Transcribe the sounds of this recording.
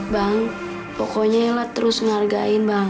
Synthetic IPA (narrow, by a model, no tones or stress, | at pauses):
baŋ | pɔkɔɲailat̪əɾʊsŋarɡa̰ɪnbaŋ